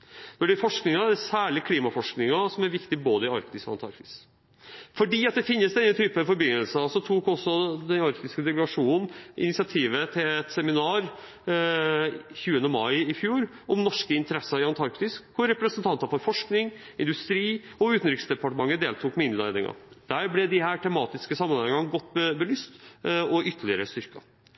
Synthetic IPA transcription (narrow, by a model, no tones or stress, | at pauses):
d̪ɔɖɪfɔʂknɪŋɑæsæːɭɪkʰliːmɑfɔʂknɪŋɑsɔmæɾʋɪkt̪ɪboːd̪əɪɑ̰ɾkt̪ɪsɔ̰ɑnt̪ʰɑ̰ɾkt̪ɪ̥s | fɔɖiːɑt̪̚d̪ɛfɪnːəsd̪ɛnːət̪ʰyːpəfɔɾbʏnəlsəɑlsɔt̪ʰuːkɔsːɔd̪ɛnɑɾkt̪ɪskəd̪ɛkləɡɑʂuːnnn̩ɪ̰nɪsɪɑt̪ʰiːʋət̪ʰɪlɛt̪sɛmɪnɑːɾ | çʉːənəmɑɪɪfjuːɾ | ɔmnɔʂkəɪnt̪əɾɛsːɑɾɪɑnt̪ʰɑɾkt̪ɪskkʊɾɾɛpɾəsənt̪ʰɑnt̪ɑfɔɾfɔʂknɪŋ | ɪnd̪ʉst̪ɾiː | ɔʉːt̪n̩ɾɪksd̪ɛpɑʈəmɑŋːəd̪eːlt̪ʰuːkmɛɪnd̪læ̰ɪd̪ɪ̰ŋɑ̰d̪̥æːɾblɛd̪ɪhæːʈʰɛmɑːt̪ɪskəsɑmːənhɛɪŋɑnɡɔt̪ːbbəlyːst̪ɔʏt̪ːəɭɪəɾəst̪ʏɾkɑ̰